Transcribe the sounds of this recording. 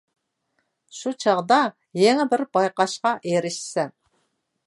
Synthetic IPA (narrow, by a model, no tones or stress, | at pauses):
ʃut͡ʃʰɑʁd̪ɑ | jeŋɪbɪɾbɑjqɑʃqɑʔeɾɪʃsɛn